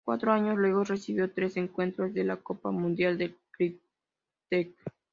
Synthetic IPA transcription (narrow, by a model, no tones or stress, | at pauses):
kwa̰t̪ɾoaɲoslwe̞ɣo̞sre̞siβjo̞t̪ɾe̞se̞ŋkwe̞nt̪ɾozðe̞lako̞pamũnd̪jald̪ekɾi | t̪ek̚